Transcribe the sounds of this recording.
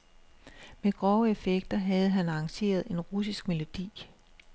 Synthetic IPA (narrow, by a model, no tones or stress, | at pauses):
meɡ̥ʁɒʊəe̝feɡ̥̚d̥ɐɦæð̞̩ˠɦænɑːŋɕe̝̰ːɐð̞̩ˠe̝nʁusisɡ̥me̝lo̝d̥ḭː